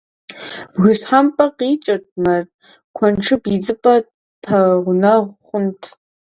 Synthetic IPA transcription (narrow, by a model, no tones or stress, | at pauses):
bɣɨɕħampʼɐqiːt͡ʃʼɐt̚ʷʼmɐr | kʷʰɐnʈ͡ʂʰɨbid͡zɨpʼɐ | pʰɐʁʷʊnɐʁʷχʷʊntʰ